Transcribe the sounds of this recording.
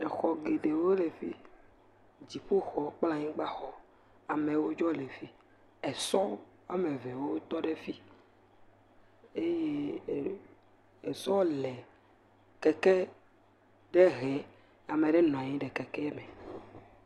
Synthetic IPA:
ɛ˨xɔ˨ɡe˨ɖe˨wo˦le˨fi˦ | d͡ʑi˨ɸo˦xɔ˦k͡pla˦ɲĩ˦ɡ͡ba˦xɔ˦ | a˨me˨wo˦d͡ʒɔ˦lɛ˨fi˦ | ɛ˨sɔ˦ | a˨me˨vɛ˨wo˦t̪ɔ˦ɖe˦fi˦ | e˦je˦˨ | ɛ˨sɔ̃˦lɛ˨ | kɛ˨kɛ˦ | ɖe˦ɦɛ˨ | a˨me˨ɖe˦nɔ̃˨a˨ɲĩ˦ɖɛ˨kɛ˨kɛ˦mɛ˨

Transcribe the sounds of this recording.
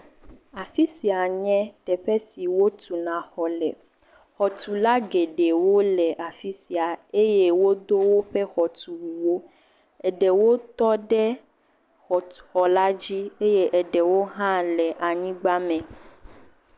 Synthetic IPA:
a˨fi˦si˨a˨ɲɛ̃˦t̪ɛ˨ɸɛ˦si˨wo˦t̪u˨nã˨xɔ˨lɛ̰˨ | xɔ˨t̪u˨la˦ɡe˨ɖe˨wo˦lɛ˨ʔa˨fi˦si˨a˨e˦je˦wo˦d̪o˦wo˦ɸɛ˦xɔ˨t̪u˨wu˨wo˦ | ɛ˨ɖɛ˨wo˦t̪ɔ˦ɖɛ˦ | xɔ˨xɔ˨la˦d͡ʑi˦e˦je˦ʔɛ˨ɖɛ˨wo˦ɦã˦lɛ˨ʔa˨ɲĩ˦ɡ͡ba˦mɛ̃˨

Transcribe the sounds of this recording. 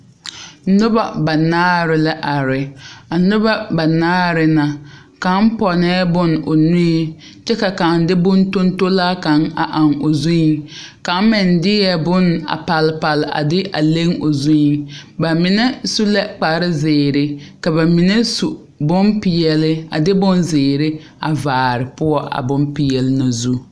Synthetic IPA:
nʊ˦ba˦˨ba˨naː˦ɾɪ˨la˦ʔa˨ɾɪ˨a˨nʊ˦ba˦ba˨naː˦ɾɪ˨na˨ | ka˨˦m˦pɔ˨nɛː˦bʊ˦no˨nʊ˦e˨ | t͡ʃɛ˦ka˨ka˨ŋdɪ˦bʊ˦n˦to˦n˦to˦laː˦ka˦ŋa̰˨ʔa˨ŋo˨zu˦i˨ŋka˨˦m˦mɪ˨ndɪ˦jɛ˦bʊ˦na̰˨pa˨lɪ˨pa˨lɪ˨a̰˨dɪ˦ʔa̰˨le˦ŋo˨zu˦i˨ŋba˨mɪ˨nɛ˦su˦lɛ˦k͡pa˨ɾɪ˦zɪː˨ɾɪ˦ka˨ba˨mɪ˨ne˦su˨ | bʊ˦mpɪ˨jɛ˨lɪ˦a̰˨dɪ˦bʊ˦nzɪː˨ɾɪ˦ | a̰˨vaː˨ɾɪ˨pʊ˦ɔ˦ʔa̰˨bʊ˦mpɪ˨jɛ˨lɪ˦na˨zu˦

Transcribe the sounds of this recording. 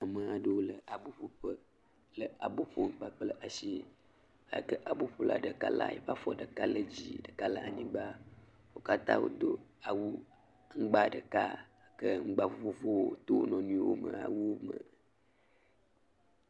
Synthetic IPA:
a˨mə̃˨a˨ɖə˨wo˦lə˨a˨bo˦ɸo˨ɸə˦ | lə˨a˨bo˦ɸo˨ŋ̩˦k͡pa˦k͡plə˦ʔa˨ʃi˦ | a˨kə˦ʔa˨bo˦ɸo˦la̰˨ɖə˨ka˦la̰˦je˨ɸa˦fɔ˦ɖə˨ka˦lə˨d͡ʑḭ˦ɖə˨ka˦la˨ʔa˨ɲĩ˦ɡ͡ba˦ | wo˦ka˦t̪ã̰˦wo̰˦d̪o˦a˨wu˦ | ŋ̩˦ɡ͡ba˦ɖə˨ka˦ | kə˦ŋ̩˦ɡ͡ba˨vo˨vo˨vo˦wo˦t̪o˦nɔ̃˨nũ˦wo˦mə̃˨a̰˨wu˦o˦mə̰˨

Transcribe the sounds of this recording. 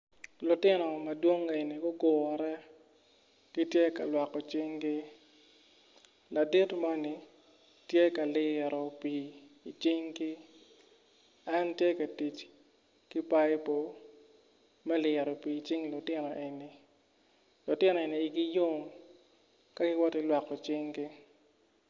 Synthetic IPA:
lʊ˨tɪ˦nɔ˨mɐ˨dwo˦ŋe˨ni˨ɡʊ˦ɡʊ˨ɔ˨ɾɛ˦ | ɡ̥i˦tje˦ka˨lwa˨kɔ˨t͡ʃɪ˦ŋɡɪ˦ | la˨di˦tma˦ni˨ | tje˦ka˨lɪ˨ɾɔ˨pi˨i˨t͡ʃi˦ŋɡɪ˦ | a˦ntje˦ka˨ti˨t͡ʃ | ki˦pa˦jpo˦ | mɛ˦lɪ˨ɾɔ˨pi˨t͡ʃɪ˦ŋlʊ˨tɪ˦nɔ˨ʔe˨ni˨ | lʊ˨tɪ˦nɔ˨e˨niː˨ɡɪ˦jo˦m | ka˦ɡɪ˦wɔ˦tɪ˦lwa˨kɔ˨t͡ʃɪ˦ŋɡɪ˦

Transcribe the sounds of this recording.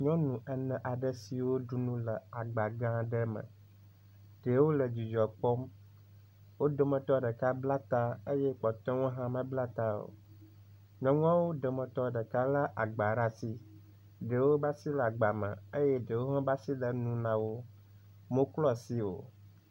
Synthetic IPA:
ɲɔ̃˦nũ˨ʔə˨nɛ̃˨ʔa˨ɖə˦si˨wo˦ɖu˨nũ˦lə˨a˨ɡ͡ba˨ɡã˦ɖə˦mə̰̃˨ | ɖ̥ə˨wo˦lə˨d͡ʒu˨d͡ʒɔ˨k͡pɔ˦m | wo˦d̪o˨mə̃˨t̪ɔ˦ɖə˨ka˦bla˦t̪a˦ə˦je˦k͡pɔ˨t̪ɔ̃˦wo˦ɦã˦mə̃˦bla˦t̪a˦o̰˨ | ɲɔ̃˦ŋ˦ã˦wo˦ɖə˨mə̃˨t̪ɔ˦ɖə˨ka˦la˦ʔa˨ɡ͡ba˨ɾa˦si˦ | ɖə˨wo˦ba˦si˦la˨ɡ͡ba˨mə̰̃˨ə˦je˦ɖə˨wo˦ɦã˦ba˦si˦lə˨nũ˦nã˦wo˦ | mõ˦klɔ˦si˦wo̰˨

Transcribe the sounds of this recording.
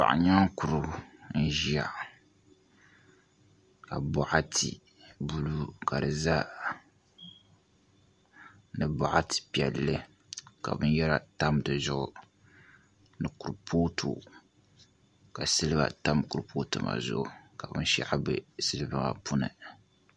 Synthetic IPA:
pa̰˨ʔa̰˨ɲa˦ŋku˨ɾʊ˨n̩˦ʒi˦a˨ʔ | ka˨bɔ˨ʔa˦tʰi˨ | bu˦lu˦ka˨dɨ˨za˦ | nɨ˨bɔ˨ʔa˦ti̥˨pi˨ɛ˨lːɨ˦ | ka˨bɨ˦njɛ˦ɾa˨ta˦mdɨ˨zʊ˦ʔʊ˨ | nɨ˨ku˨ɾpʰoː˦tʰu˨ | ka˨sɨ˦lɨ˦ba̰˨ta˦mku˨ɾpʰoː˦tɨ˨ma̰˨zʊ̰˦˨ʔʊ˨ka˨bɨ˦n˦ʃɛ̰˦ʔa˦bɨ˦sɨ˦lɨ˦bɨ˦ŋa̰˨pu˦nɨ̰˨

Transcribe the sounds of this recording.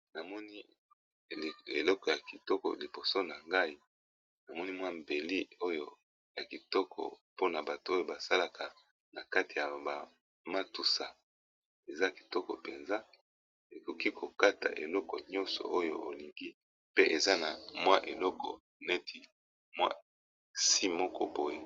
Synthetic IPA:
na˨mɔ˦ni˦˨ | e˨lɔ˦kɔ˨ja˨ki˨tɔ˦kɔ̰˨li˨bo˨so˦na˨ŋɡa˦i˦ | na˨mɔ˦ni˦mwa˦m˨be˨li˦o˦jo˦ | ja˨ki˨tɔ˦kɔ̰˨po˦na˨ba˨tu˨o˦jo˦ba˨sa˦la˨ka˨ | na˨ka˦ti˨ja˨ba˨ | ma˦tu˨sa˨ | e˨za˦ki̥˨tɔ˦kɔ˨pe˨nza˦ | e˨ko˨ki˦kʰo˨ka˦ta̰˨ʔḛ˨lɔ˦kɔ˨ɲɔ̃˦nsɔ̰˨o˦jo˦o˨li˨ŋɡi˦ | pe˦ʔe˨za˦na˨mwa˦ʔe˨lɔ˦kɔ̰˨ | nɛ˦ti˨ | mwa̰˦ | si˦mɔ˦kɔ̰˦bo˦je˦

